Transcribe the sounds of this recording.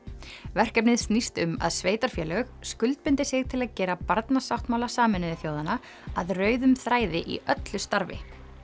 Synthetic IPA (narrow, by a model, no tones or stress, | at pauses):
vɛr̥cɛp̚nɪðst̪nist̪ʏma̰ðsveːjt̪aɾ̥fjɛːlœɣskʏlt̪̚pɪnt̪ɪsɪɣt̪ʰɪlaðcɛːɾapaɾt̪nasawht̪mawlasaːmɪnɪðɪθjoːwðana | aðrœːɥðʏmθɾaːjðɪʔḭʔœt̪lʏst̪aɾvɪ̰